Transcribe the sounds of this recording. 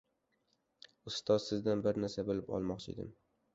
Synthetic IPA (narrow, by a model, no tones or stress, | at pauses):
ʊst̪ʰɒzsɪzd̪anbɪɾnaɾsabolɪpɒ̰lˠmɒqt͡ʃʰɪ̰d̪ɪ̰m